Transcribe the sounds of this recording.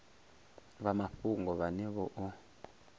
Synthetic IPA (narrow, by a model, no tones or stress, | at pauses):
βamaɸuŋɡɔβanɛβɔʔɔ